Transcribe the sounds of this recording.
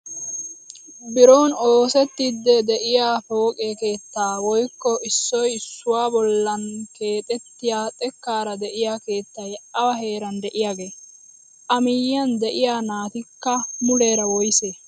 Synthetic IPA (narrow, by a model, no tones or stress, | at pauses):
bɪɾoːnoːsɛt̪ːɪd̪ːɛd̪ɛʔɪjaːfo̞ːkʼeːke̞ːt̪ːaːwɔjkːɔɪsːɔjɪsːʊwaːbɔlːɐnke̞ːt̪ʼɛt̪ːɪjaːt̪ʼɛkːaːɾɐd̪ɛʔɪjaːke̞ːt̪ːajɐwɐɦe̞ːɾɐnd̪ɛʔɪjaːɡeː | ʔɐmɪjːɐnd̪ɛʔɪjaːnaːt̪ɪkːɐmʊleːɾɐwɔjseː